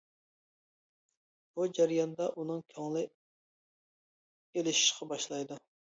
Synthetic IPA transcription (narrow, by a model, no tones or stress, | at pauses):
b̥ud͡ʒæɾjɑnd̪ɑʔunɨŋkʲʰɑŋlˠɪ | elɪʃi̥ʃqʰɑbɑʃlˠɑjd̪u